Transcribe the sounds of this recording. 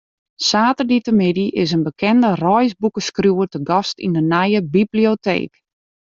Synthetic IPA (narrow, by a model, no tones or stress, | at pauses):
saːtərditəmɪdiʔɪsənbəkʰɛndərɔjsbukəskrjuətəɡɔstḭndənajəbibliotḛːk